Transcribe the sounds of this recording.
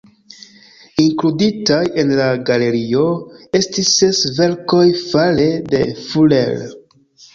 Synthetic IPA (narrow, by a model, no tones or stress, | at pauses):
iŋkluditaje̞nlaɡale̞ɾio̞e̞stisːe̞sve̞ɾko̞jfalede̞fulḛl